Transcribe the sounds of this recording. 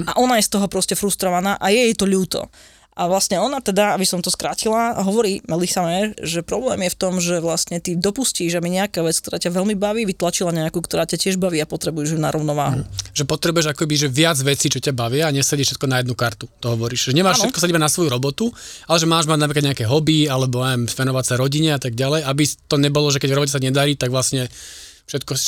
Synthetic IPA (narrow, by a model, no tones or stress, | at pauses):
aʔɔnajɛst̪ɔɦɔpɾɔscɛfɾust̪ɾɔʋanaːʔajɛjɛt̪ɔʎuːt̪ɔ̰ | ʔʔaʋlasɲɛɔnat̪ɛd̪aabisɔmt̪ɔskɾaːcilaɦɔʋɔɾiːmɛlixsamɛːʒɛpɾɔblɛːmjɛft̪ɔmʒɛʋlasɲɛt̪id̪ɔpusciːʒamiɲɛakaːʋɛt͡sk̚t̪ɔɾaːcaʋɛlmibaʋiːʋit̪lat͡ʃilaɲɛakuːkt̪ɔɾaːcacɪɛʒbaʋiːapɔt̪ɾɛbujɛʒinaɾɔʊnɔʋa̰ːɦuʒ̥ɛpɔt̪ɾɛbujɛʒakɔkɛbiʒɛʋɪad͡zʋɛt͡siːt͡ʃɔcabaʋɪaːɲɛsɛɟɛʃɛt̪̚kɔnajɛd̪nukaɾt̪ut̪ɔɦɔʋɔɾiːʃʒɛɲɛmaːʃɛt̪kɔsadibanasʋɔjuɾɔbɔt̪ualɛʒɛmaːʒmaɟ̪napɾkad̪ɲɛakɛɦɔbialɛbɔɛmspɛnɔʋatsaɾɔɟiɲɛat̪aɡ̚ɟalɛjabit̪ɔɲɛbɔlɔʒɛkɛɟvɾɔbɔcɛsaɲɛd̪aɾiːt̪aɡʋlasɲɛ | fʃɛt̪kɔ